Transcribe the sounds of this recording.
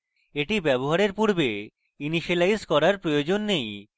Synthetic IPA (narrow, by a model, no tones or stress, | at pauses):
eʈibɛboɦaɾeɾpuɾbe | iniʃelajzkɔɾaɾpɾojod͡ʑonːej